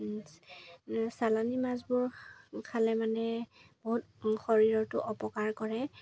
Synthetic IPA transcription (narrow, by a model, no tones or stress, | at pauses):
salanimazbʊɹkʰalɛmanɛb̥oɦut̚ | xɔɹiɹɔtʊʔɔpɔkaɹkɔɹɛ